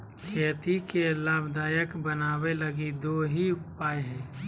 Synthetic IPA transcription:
kʰeːt̪ikelaːbd̪aːjəkbənaːweləɡid̪oːɦipaːeɦɛ̃ː

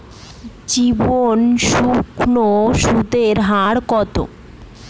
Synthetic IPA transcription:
d͡ʑibonʃukʰnoʃud̪ʱeɾɦaɽkɔt̪o̰

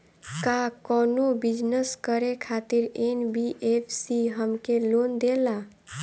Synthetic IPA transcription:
kakɔnobid͡ʒnəskəɾekʰat̪iɾenbiʔepʰsiɦəmkelond̪ela

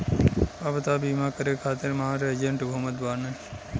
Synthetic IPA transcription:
aʋət̪aːbimakəɾekʰaːt̪eɾmɐɦaɾəd͡ʒeɳʈbɐɦmət̪baːɾnə

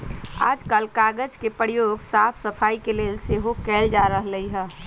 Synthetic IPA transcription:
a̰ːd͡ʒkalkaːɡəd͡ʒkepəɾjoːɡsaːpʰsəpʰaːikeleːlseɦokɛːld͡ʒaːɾəɦləiɦɛː

